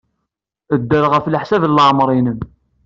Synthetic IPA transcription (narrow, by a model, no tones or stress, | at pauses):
əd̪ːəɾʁəflħsævləʕmɾˤinəm